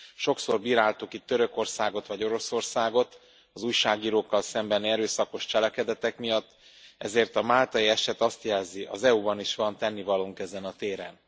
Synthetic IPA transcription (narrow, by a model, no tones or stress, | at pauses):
ʃo̞kso̞rbiːɾaːlt̪ukit̪ːøɾø̞ko̞rsaːɡo̞t̪ʋɒɟo̞ɾo̞so̞rsaːɡo̞t̪ | ɒzuːjʃaːɡiːɾoːkːɒlsɛmbɛnɛɾøːsɒko̞ʃt͡ʃɛlɛkɛd̪ɛt̪ɛkmijɒt̪ː | ɛzeːrt̪ɒmaːlt̪ɒiɛʃɛt̪ɒst̪jɛlziʔɒzɛubɒniʃʋɒnt̪ɛnːivɒloŋkɛzɛnɒt̪eːɾɛ̰n